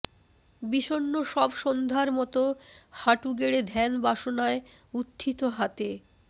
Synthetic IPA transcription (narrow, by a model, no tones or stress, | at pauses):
biʃonːoʃɔbʃond̪ʱaɾmɔt̪ohaʈuɡeɽed̪ʱɛnbaʃonae | ut̪ʰːit̪oɦat̪e